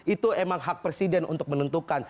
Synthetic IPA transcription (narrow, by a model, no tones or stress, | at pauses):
it̪uemaŋɦak̚pɾesidɛnʔṵnt̪ʊk̚mənənt̪ukan